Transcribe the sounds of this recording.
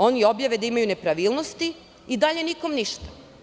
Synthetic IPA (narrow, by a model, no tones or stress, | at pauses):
o̞nio̞bjaʋed̪aimajune̞pɾaʋiːlˠnost̪i | id̪aʎe̞niko̞mniʃt̪ḁ